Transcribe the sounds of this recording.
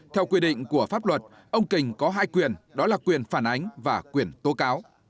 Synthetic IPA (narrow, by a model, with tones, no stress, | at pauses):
t̪ʰɛ˧wkwi˧ɗḭ˧˨ŋ̟ku˧˩əfaː˦˥p̚lwə˨˩t̚ | ʔə˧wŋ͡mkï˨˩ŋ̟kɔ˨˦ɦaː˧jkwi˨˩ənɗɔ˨˦laː˨˩kwi˨˩ənfaː˧˩nʔa˨˦jŋ̟vaː˨˩kwi˨˩ənt̪o˨˦kaː˨˦w